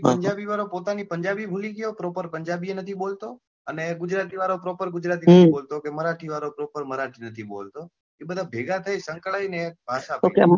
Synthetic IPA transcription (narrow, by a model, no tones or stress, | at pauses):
pəɲd͡ʒabiʋaɾopot̪anipəɲd͡ʒabibʱuliɡjopɾopəɾpəɲd͡ʒabienət̪ʰibolt̪o | əneɡʊd͡ʒɾat̪iʋaɾopɾopəɾɡʊd͡ʒɾat̪̬inət̪ʰibolt̪okeməɾaʈʰiʋaɾopɾopəɾməɾaʈʰinət̪ʰibo̰lt̪o | ebəd̪ʱabʱeɡat̪ʰaisəŋkɭainebʱaʃapok